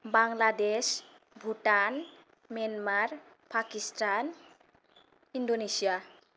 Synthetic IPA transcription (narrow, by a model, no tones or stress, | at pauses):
baŋlades | bʱuʈan | mianmaɾ | pʰakistan | indonesija